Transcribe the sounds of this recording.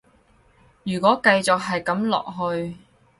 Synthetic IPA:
jyː˨˩kɔː˨˥kɐ˧jt͡sɔ˨k̚ɦɐ˨jkɐ˨˥mlɔ̰ː˨k̚ɦɵ˧ɥ

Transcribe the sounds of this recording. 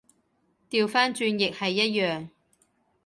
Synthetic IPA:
t̪iː˨wfaː˥nt͡ʃyː˧njɪ˨k̚hɐ˨jːɐ˥t̚jœː˨ŋ

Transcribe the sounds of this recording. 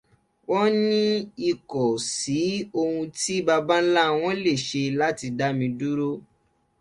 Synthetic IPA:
wɔ˦nĩ˦i˨kɔ˨si˨˦o˧hũ˧ti˦ba˧ba˦n̩˦la˦w̃ɔ̃˦le˦˨ʃe˧la˦ti˧da˦mĩ˧du˦ɾo˦

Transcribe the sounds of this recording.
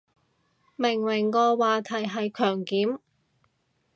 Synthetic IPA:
mɪ˨˩ŋwɪ˨˩ŋkɔː˧waː˨˧t̪ʰɐ˨˩jɦɐ˨jkʰœː˨˩ŋkiː˨˥m

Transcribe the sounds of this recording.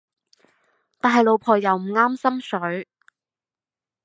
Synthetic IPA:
t̪aː˨˩ɦɐ˨˧jlo˨˧wpʰɔː˨˩jɐ˨wm̩˨˩ŋaː˥msɐ˥msɵ˨˥ɥ

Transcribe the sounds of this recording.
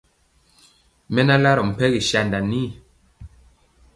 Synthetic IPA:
mɛ˦na˦la˦ɾɔ˨m̩˨pɛ˦ɣi˨ʃa˨nda˨ni˦˨

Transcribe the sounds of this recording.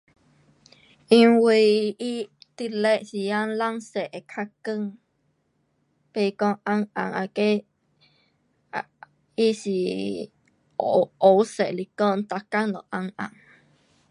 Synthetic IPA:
ʔi˧ŋwi˧i˦t̪i˧le˦ʔsi˧ja˦nla˦ŋse˨ʔe˨kʰa˧kɨ˧˨ŋ | pe˧˨kɔ̃˦ʔã˧ŋʔã̰˨ŋʔa̰˧ke˦ | i˦si˧˨ | o˨se˨li˧kɔ˦˨nt̪a˧ka˦ŋlɔ˨ʔa˧ŋʔa̰˨ŋ

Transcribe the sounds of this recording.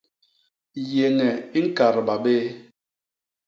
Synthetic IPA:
je˨ŋɛ˨i˦ŋ̩˦ka˨ɾba˨be˦

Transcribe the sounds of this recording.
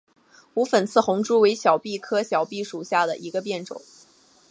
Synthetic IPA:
u˧˥fə˨˩nt͡sʰɹ̩˥˩xʊ˧˥ŋʈ͡ʂu˥we˧˥ɪɕjɑ˨˩ʊpi˥˩kʰɤ˥ɕjɑ˨˩ʊpi˥˩ʂu˨˩ɕja˥˩d̪ə˩ʔi˧˥ɡə˧pjɛ˥˩nʈ͡ʂʊ̰˨˩˦ŋ

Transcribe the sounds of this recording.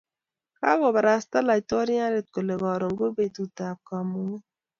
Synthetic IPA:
ka˦ɣo˨ba˨ɾa˨sta˦la˨tɔ˦ɾi˦a˦ɾe˨t̚ko˨le˨ɡɔ˨ɾo˨ŋ˦ɡo˦be˨tu˨ta˨p̚ka˨mu˨˦ŋe˦

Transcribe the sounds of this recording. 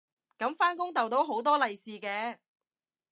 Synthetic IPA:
kɐ˨˧˥mfaː˥nkʊ˥ŋt̪ɐ˨wt̪o˨˥wɦo˨˥wt̪ɔː˥lɐ˨jsiː˨kɛː˨˥

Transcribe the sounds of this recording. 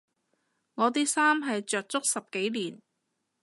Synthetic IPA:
ŋɔː˨˧t̪̬iː˥saː˥mɦɐ˨jt͡ʃœː˨k̚t͡sʊ˥k̚sɐ˨p̚ke˨˥jliː˨˩n

